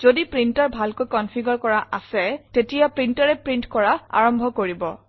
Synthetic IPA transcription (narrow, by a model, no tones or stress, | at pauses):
z̥odipɹintaɹbʱalkojkɔnpʰiɡɔɹkɔɹaʔasɛtetijapɹintaɹɛpɹintkɔɹaa̰ɹɔmbʱɔkoɹibɔ